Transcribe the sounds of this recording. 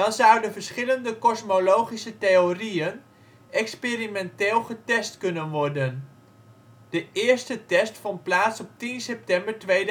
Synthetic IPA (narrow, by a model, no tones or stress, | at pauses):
dɑnzʌwdəvəɹsχɪləndəkɔsmolowχisəteoriən | ɛkspeːrimɛnteːlˠχətɛstkɵnənʋɔɹdən | d̥əʔɪːɹstətɛstfɔnt̚plaːtsɔp̚tinsɛp̚tɛmbəɹtʋejd